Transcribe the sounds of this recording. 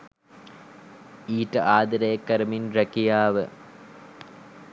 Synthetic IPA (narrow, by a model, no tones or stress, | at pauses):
iːʈɐʔaːd̪ɐɾɐjɐkːɐɾɐminrɐkijaːʋə̰